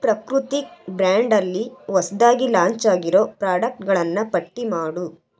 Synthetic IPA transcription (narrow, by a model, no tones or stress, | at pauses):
pɾɐkɾut̪ibɾaːɳɖɐlːiʋɐsɐd̪aːɡilaːɲt͡ʃaːɡiɾo̞ːpɾaːɽɐk̚ʈɡɐɭɐnːɐpɐʈːimaːɽu